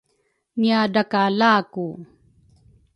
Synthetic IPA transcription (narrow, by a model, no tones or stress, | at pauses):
niadakalaːku